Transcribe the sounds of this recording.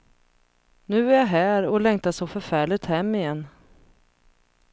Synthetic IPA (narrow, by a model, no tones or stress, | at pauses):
nʉ̟ːæjaɦæːɾɔlɛŋt̪aʂɔfœɾfæːɭɪt̪hɛmːɪjɛnː